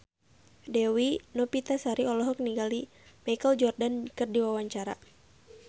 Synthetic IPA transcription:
dɛwinɔpit̪asaɾiɔlɔɦɔk̚niɡali | majkəld͡ʒɔrdankərdiwawaɲt͡ʃaɾa̰

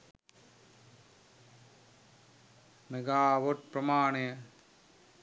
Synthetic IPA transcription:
meɡaːʋoʈ̚pɾɐmaːɳejɐ

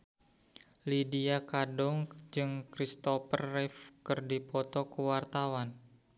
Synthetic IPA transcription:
lidiakadɔŋd͡ʒɨŋkɾist̪ɔpərːɛfkɨrdipɔt̪ɔkəwart̪awan

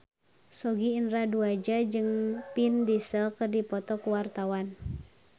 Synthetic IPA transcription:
sɔɡiinraduad͡ʒad͡ʒɨŋpindisəkərdipɔt̪ɔkuwart̪awan

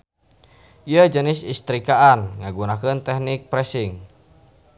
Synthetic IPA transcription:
iəd͡ʒənɪsist̪ɾikaʔanŋaɡunakənt̪ɛhnɪk̚pɾɛsɪŋ

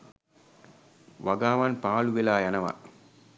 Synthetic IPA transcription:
ʋɐɡaːʋɐnpaːɭuʋilaːjɐnɐʋɐ̰

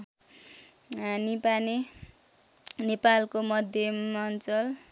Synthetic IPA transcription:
ɦanipane | nepalkomʌd̪ʱjʌmʌnt͡sʌl

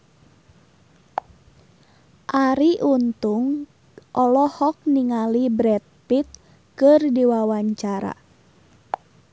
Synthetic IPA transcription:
ʔaɾiʔunt̪ʊŋ | ʔɔlɔhɔk̚niŋalibɾɛt̪̚pit̪̚ | kərdiwawaɲt͡ʃaɾa̰

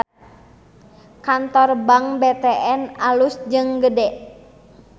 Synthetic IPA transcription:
kant̪ɔrbaŋbɛt̪ɛʔɛnalusd͡ʒɨŋɡədɛʔ

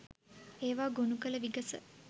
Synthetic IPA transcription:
eːʋaːɡonukələʋiɡəsə̰

